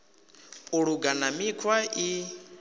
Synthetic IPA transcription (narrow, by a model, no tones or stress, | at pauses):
uɺuɡanamikʰwai